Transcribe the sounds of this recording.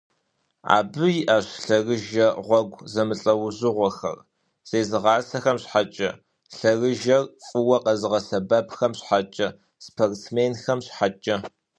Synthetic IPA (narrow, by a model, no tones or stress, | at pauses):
a̰ːbɨjʔaːɕɬɐrɨʒɐʁʷɔɡʷzɐmɨɬʼɐwʊzɨʁʷɔxɐ̰r | z̥eːzɨʁɑːsɐxɐmɕħat͡ʃʼɐ | ɬɐrɨʒɐrfʼɨwɐqɐzɨʁɐsɐbɐpxɐmɕħat͡ʃʼɐ | spʰorsmeːnxɐmɕħat͡ʃʼɐ